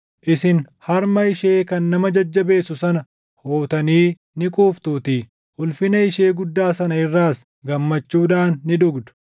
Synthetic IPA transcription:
ʔɪsɪnhɐɾmɐɪʃe̞ːkɐnːɐmɐd͡ʒɐd͡ʒːɐbe̞ːsʊsɐnɐ | hoːt̪ɐniː | nɪkʼuːft̪uːt̪iː | ʔʊlfɪnɐɪʃe̞ːɡʊd̪ːaːsɐnɐɪrːaːs | ɡɐmːɐt͡ʃːuːᶑaːnːɪᶑʊɡd̪ʊ̥

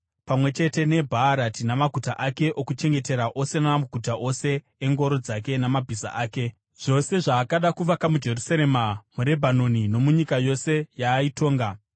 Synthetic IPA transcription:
pamwe̞t͡ʃe̞te̞ne̞bʱaːɾatinamaɡʱutaʔake̞ʔo̞kut͡ʃe̞ŋɡe̞te̞ɾaʔo̞se̞naaɡʱutaʔo̞se̞ː | ŋɡo̞ɾo̞d͡zak̬e̞namabʱiza̰ʔaːke̞ | ʐ̥o̞se̞ʐaːkaɗakuʋakamud͡ʒe̞rusaɾe̞mamuɾe̞bʱano̞nino̞muɲikajo̞se̞jaːito̞ːŋɡa

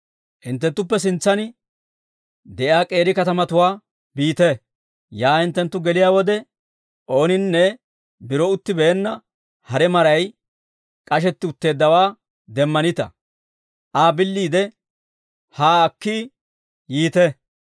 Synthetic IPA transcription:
ʔɪnt̪ːɛnt̪ːʊpːɛs̬ɪnt͡sːɐnɪ | d̪ɛʔaːkʼe̞ːɾɪkɐt̪ɐmɐt̪ʊwaː | biːt̪ɛ | jaːhɪnt̪ːɛnt̪ːʊɡɛlɪjaːwɔd̪ɛ | ʔo̞ːnɪnːɛ | bɪɾɔʊt̪ːɪbɛːnːɐ | hɐɾɛmɐɾɐj | kʼɐʃ̬ɛt̪ːɪʊt̪ːe̞ːd̪ːɐwaː | d̪ɛmːɐnɪt̪ɐ̰ | ʔaːbɪlːiːd̪ɛ | haːɐkːi | jiːt̪ɛ

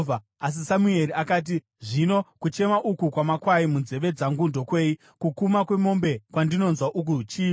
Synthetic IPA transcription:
a | as̬isamue̞ɾiakaːt̬i | ʐino̞kut͡ʃe̞maʔukukwamakwaimunze̞ʋe̞d͡zaŋɡundo̞kwe̞ːi | kukumakwe̞mo̞mbe̞kwandino̞nzwaʔuk̬ut͡ʃiː

